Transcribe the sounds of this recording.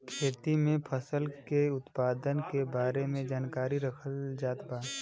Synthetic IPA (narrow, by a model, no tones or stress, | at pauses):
kʰeːt̪imẽpʰəsəlkeʊt̪paːd̪ənkebaːɾemẽd͡ʒaːnkaːɾiɾəkʰəld͡ʒaːt̪baː